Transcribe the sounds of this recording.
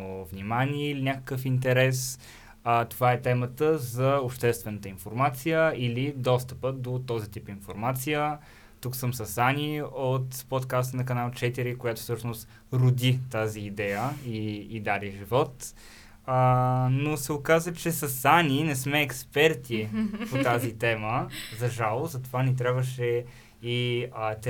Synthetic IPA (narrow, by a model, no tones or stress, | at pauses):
ovnimaniɛilinʲakə̥kəfint̪̬ɛɾɛs | ət̪ovaɛt̪ɛmət̪əzɐopʃt̪ɛst̪vɛnət̪əinfoɾmat̪sijəilid̪ɔst̪əpəd̪ot̪ɔzit̪ipinfoɾmat̪sijə | t̪uksəmsəsaniot̪pot̪kast̪nɐkɐnalˠt͡ʃɛt̪iɾikojat̪o̥fsɤʃnost̪ | ɾʊd̪it̪aziːd̪ɛjəiːd̪aɾiʒivɔt̪ | ənosɛokazət͡ʃɛsɐsaninɛsmɛːkspɛɾt̪ipot̪azit̪ɛməzɐʒalˠzɐt̪ovanit̪ɾʲabvəʃɛ | it̪